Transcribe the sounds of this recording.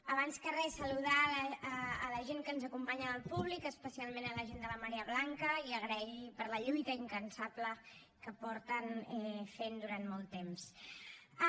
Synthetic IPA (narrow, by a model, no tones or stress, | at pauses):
əβanskərɛsəluðaəːləʒeŋkənzəkumpaɲəðəlˠpuβlikəspəsialˠmẽnələʒend̪ələməɾiəβlaŋkəiəɣɾɛɣipəɾləʎujt̪əiŋkənsaplə | kəpɔɾt̪ənɛfend̪uɾanmɔlˠt̪ːems